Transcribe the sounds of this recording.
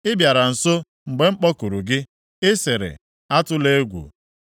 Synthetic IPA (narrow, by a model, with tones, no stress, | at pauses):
ɪ˦bja˨ɾa˨n̩˨so˦ | ŋ͡m̩˨ɡ͡be˨ŋ͡m̩˦k͡pɔ˦ku˨ɾu˨ɡɪ˦ | ɪ˦se˨ɾɪ̰˨ | a˦tʊ˦le˦ɡʷṵ˨